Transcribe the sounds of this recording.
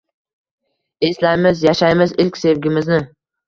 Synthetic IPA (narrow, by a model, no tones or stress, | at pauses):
e̞slajmɪzjaʃajmɪzɪlkʲse̞vɡʲɪmɪznɪ